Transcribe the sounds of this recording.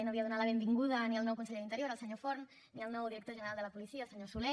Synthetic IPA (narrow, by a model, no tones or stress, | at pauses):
noβiəðunat̪ləβembiŋɡuð̞əniəlˠnɔwkuns̬əʎeðint̪əɾjoɾəlˠsəɲofoɾn | niəlˠnɔwðiɾək̚t̪oʒənəɾalˠd̪ələpulisiaːlˠsəɲosule